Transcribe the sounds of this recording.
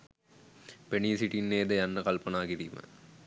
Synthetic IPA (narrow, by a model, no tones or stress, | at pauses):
peniːsiʈinːeːd̪ɐjɐnːɐkɐlpɐnaːkiɾimə̰